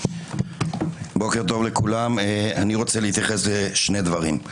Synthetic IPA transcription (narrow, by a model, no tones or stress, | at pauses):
bo̞ke̞ʁt̪o̞vle̞kulamaniʁo̞t͡seleit̪jaχe̞sleʃne̞d̪vaʁim